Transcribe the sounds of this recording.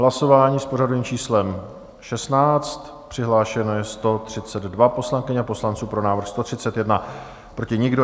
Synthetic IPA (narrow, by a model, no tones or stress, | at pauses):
ɦlaso̞vaːɲiːspo̞radoviːmt͡ʃiːslɛm | ʃɛsnaːt͡st̪ | pr̝̥ɪɦlaːʃɛno̞jɛst̪o̞t̪r̝̥ɪt͡sɛd̪dvapo̞slaŋkɪɲɛaposlant͡suːpɾo̞naːvɾxst̪o̞t̪r̥ɪt͡sɛt̪jɛdna | pɾo̞cɪɲɪɡdo